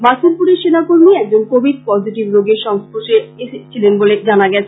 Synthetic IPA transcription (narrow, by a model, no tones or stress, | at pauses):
basʰolpuɾeɾʃenakoɾmiɛk̚d͡ʑonkobʱid̚pɔd͡ʑiʈibɾoɡeɾʃɔŋspoʃeeʃet͡ɕʰilenboled͡ʑanaɡɛt͡ɕʰe